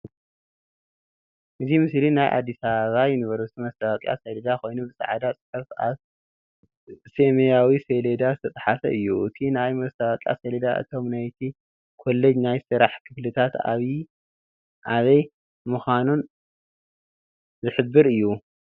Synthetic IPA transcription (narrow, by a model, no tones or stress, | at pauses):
ʔɨzʰimɨslinajʔa̰d̪ːisaβajɪnɨβɐɾuɨt̪ʰimɐst̪ʰaβakʼja̰seled̪ako̞jnubɨsʼa̰ʕad̪at͡sʼɨ̥ħɐfa̰β | semejawiseled̪azɨt̪ʰɐt̪ʼħafɐ̰ʔɨjːuʔɨt̪ʰinajmɐst̪ʰaβakʼja̰seled̪aʔɨ̰t̪ʰo̞mnajt̪ʰi | kʰo̞lːɐd͡ʒnajsɨɾaħkʰɨflɨt̪ʰat̪a̰βi | ʔaβɐj | mɨxanun | zɨħɨbːɨɾɨjːu